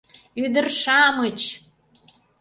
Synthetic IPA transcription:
yd̪ərʃɑmət͡ɕ

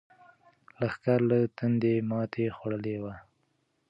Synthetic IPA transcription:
laxkaɾlat̪and̪emɑt̪ʰexwaɽəlewa

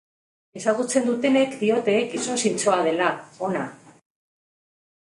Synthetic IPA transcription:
e̞saɣ̞ut͡se̞nd̪ut̪e̞ne̞kd̪io̞t̪e̞ːkiso̞nsint͡so̞að̞e̞lao̞na

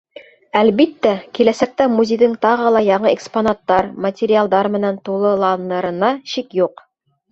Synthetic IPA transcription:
ælβit̪ːækilæsæk̚t̪æmuzʲejðɘŋt̪ɑʁɤ̆lˠɑjɑɴɤeksponat̪ːɑɾmɐtʲeɾʲɪalˠd̪ɑɾmɘ̆nænt̪ulˠɤ̆lˠɑnɤ̆ɾɤ̆nɑʃikjuq

